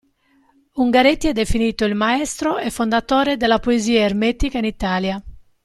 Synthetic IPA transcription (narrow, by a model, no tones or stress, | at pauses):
uŋɡaɾet̪ːiɛd̪ːefiniːt̪oilmaɛst̪ɾoɛfːond̪at̪oːɾed̪elːapoeziːaeɾmet̪ikainit̪aːlja